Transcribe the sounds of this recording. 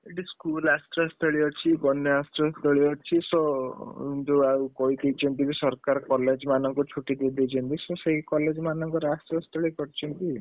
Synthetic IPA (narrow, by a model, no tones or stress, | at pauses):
eʈiskulast̪ɾɔst̪ʰɔɭiɔt͡ʃʰibɔnjɔast̪ɾɔst̪ʰɔɭiɔt͡ʃʰisɔint̪uawkɔɦid̪ejt͡ʃʰɔnt̪ibisɔɾkaɾɔkɔled͡ʒmanɔŋkut͡ʃʰuʈid̪ed̪ejt͡ʃʰɔnt̪isɔseɦikɔled͡ʒmanɔŋkɔɾastɾɔst̪ʰɔɭikɔɾt͡ʃʰɔnt̪i